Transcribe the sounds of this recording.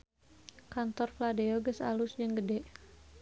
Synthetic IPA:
kant̪ɔrfladeoɡəsa̰lʊsd͡ʒəŋɡədɛʔ

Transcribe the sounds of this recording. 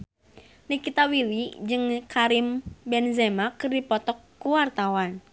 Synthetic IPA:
nikit̪awilid͡ʒɨŋkʰaɾimbɛnzɛmakɨrdipɔt̪ɔkːuwart̪awan

